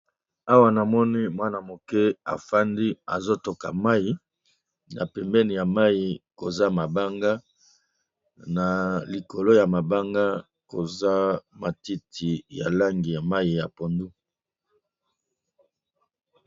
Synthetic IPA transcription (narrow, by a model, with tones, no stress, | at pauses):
a˦wa˦na˨mɔ˦ni˦mwa˦na˨mo˨kɛ˦a̰˨fa˦ndi˦a̰˨zo˦to˨ka̰˨ma˦i˦ | na̰˨pɛ˨mbɛ˦ni˨ja˨ma˦i˨ko˨za˦ma˨ba˦ŋɡa˦ | na˨li˨ko˨lo˦ja˨ma˨ba˦ŋɡa˦ | ko˨za˦ma˨ti˦tʰi˨ja̰˨la˦ŋɡi˨ja˨ma˦ji˨ja˨po˨ndu˦